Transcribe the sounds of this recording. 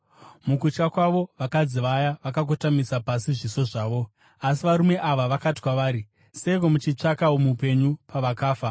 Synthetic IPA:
mukut͡ʃkakwaʋo̞ʋakad͡ziʋajaʋakak̬otamisapasiʐiso̞ʐaːʋo̞ | as̬iʋaɾume̞ʔaʋaʋakati̥kwaʋaːɾi | se̞iko̞mut͡ʃit͡ʂakaomupe̞ɲupaʋakaːfa

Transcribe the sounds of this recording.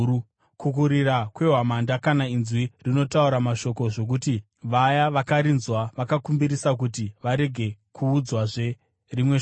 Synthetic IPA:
kuk̬uɾirakwe̞ɦwamandakanainzwirino̞tauɾamaʃo̞ko̞ʐo̞k̬uti | ʋajaʋakaɾinzwaʋakakumbiɾisak̬utiʋaɾe̞ɡʱe̞ | kʰuːd͡zwaʐe̞ | rimwe

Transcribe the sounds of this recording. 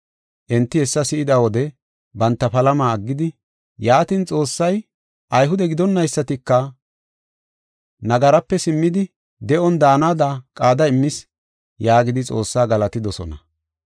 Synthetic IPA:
ʔɛnt̪ːɪhɛsːɐsɪʔɪd̪ɐwɔd̪ɛ | bɐnt̪ːɐpɐlɐmaːɐɡːɪd̪ɪ | jaːt̪ɪnt͡sʼo̞ːsːɐj | ʔɐjɦʊd̪ɛɡɪd̪ɔnːɐjsːɐt̪ɪkːɐ | nɐɡɐɾɐpːɛsɪmːɪd̪ɪ | d̪ɛʔɔnd̪aːnaːd̪ɐkʼaːd̪ɐɪmːɪs | jaːɡɪd̪ɪt͡sʼo̞ːsːaːɡɐlɐt̪ɪd̪ɔsɔ̰nɐ̰

